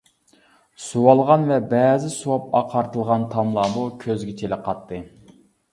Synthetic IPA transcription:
suwɑlˠʁɑnvɛbɛːzɪsuwɑp̚ɑqʰɑɾt̪ɨlˠʁɑnt̪ʰɑmlˠɑːmukʲʰøzɡʲɛt͡ʃʰelɪqʰɑt̪ːɨ

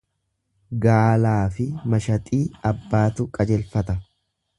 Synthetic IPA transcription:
ɡaːlaːfɪmɐʃɐt̪ʼiːɐbːaːt̪ʊkʼɐd͡ʒɛlfɐt̪ɐ

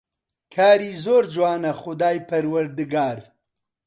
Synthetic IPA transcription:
kʰaːɾiːzoːɾd͡ʒwaːnɐχʊd̪aːjpɐɾwɐɾd̪ɨɡaːɾ

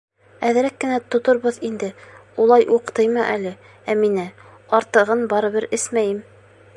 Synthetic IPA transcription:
æðɘ̆ɾækːɘ̆næt̪ŏt̪ŏɾβɤðind̪ɘulˠɑjʔuqt̪ɤjmɤʔælɘ | æminɘ | ɑɾt̪ɤ̆ʁɤnbɑɾɤ̆βɘɾɘsmæjɘm

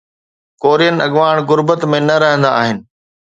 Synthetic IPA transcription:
koːɾijənɪ̆ɐɠʋaːɽ̃ɣʊɾbət̪mẽnɐɾɐɦə̃nd̪aaːɦɪnɪ̆

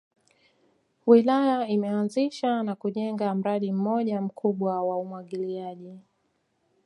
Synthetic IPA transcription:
wilajaimɛanziʃanakuʄɛŋɡam̩ɾaɗim̩mɔʄam̩kʰuɓwawaumwaɠiliaʄi

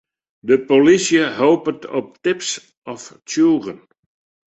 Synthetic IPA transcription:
dəpolisjəɦoːpətʰɔp̚tɪps | ʔɔftuːrən

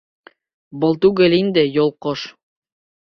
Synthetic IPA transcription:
bɤlˠt̪ʉɡɘlind̪ɘjolˠqoʃ

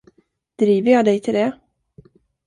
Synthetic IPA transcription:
d̪̥ɾiːvəɾjɑːd̪ɛjt̪ʰɪld̪ɛ

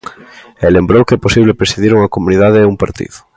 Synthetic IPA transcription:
elembɾowkɛposiβlepɾesiðiɾuŋɐkomuniðaðeɛuŋpaɾt̪ḭðʊ̥

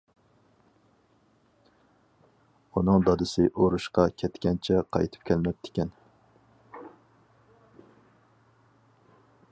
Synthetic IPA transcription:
unɨŋd̪ɑd̪ɪsɪʔoɾuʃqɑkʲʰɛt̪kʲɛnt͡ʃʰɛqʰɑ̰jt̪ʰɨ̥p̚kʲʰɛlɪnɛp̚t̪ʰɪ̥kʲɛn

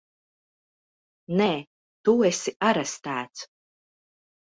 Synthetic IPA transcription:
nɛː | t̪uesiaɾɛst̪æːt̪s

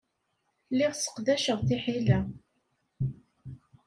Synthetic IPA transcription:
lɪʁsə̥qðæʃəʁθɪħilæ

